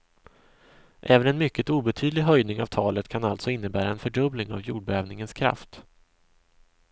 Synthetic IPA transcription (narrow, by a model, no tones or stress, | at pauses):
ʔɛːvənɛnmʏkːət̪uːbɛt̪ʰyːd̪lɪɡɦœjd̪nɪŋavt̪ʰɑːlət̪kʰanalt̪sɔɪnːəbæːɾaɛnfœɖɵblɪŋa̰vjṵːɖ̚bɛœːvnɪŋənskʰɾa̰ft̪